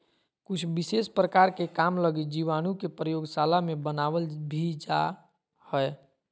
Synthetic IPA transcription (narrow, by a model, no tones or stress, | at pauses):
kʊt͡ʃʰbɪseːspɾəkaːɾkekamləɡid͡ʒiʋaːñukepɾəjoːɡsalamẽbənaːʋəlbʱid͡ʒa | həɛ